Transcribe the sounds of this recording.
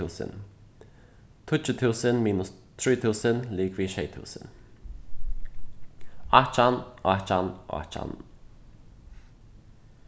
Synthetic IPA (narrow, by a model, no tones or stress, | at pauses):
uːsə̰n | t̪ʰʊt͡ʃət̪ʰuːsənmiːnʊs | t̪ʰɹiːt̪ʰuːsənliːɡviːʃeɪt̪ʰṵːsə̰n | at͡ʃanʔɔt͡ʃanɔ̰t͡ʃa̰n